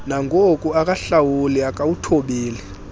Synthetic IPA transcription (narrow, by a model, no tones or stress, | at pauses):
naŋʱokʼuakʼaɬawuliakʼawutʰɔɓeːlɛ